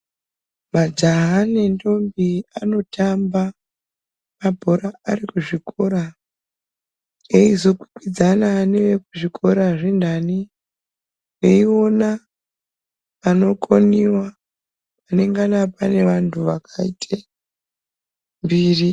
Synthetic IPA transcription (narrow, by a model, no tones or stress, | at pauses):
mad͡ʒaɦane̞ndo̞mbiano̞tʰamba | mabʱo̞ɾaːrikuʐiko̞ɾa | eizo̞kwi̥kwid͡zananeʋe̞kuʐikʰo̞ɾaʐendani | eio̞na | pano̞koniwa | pane̞ŋɡanapane̞ʋantʰuʋakʰaitʰe | mbiːri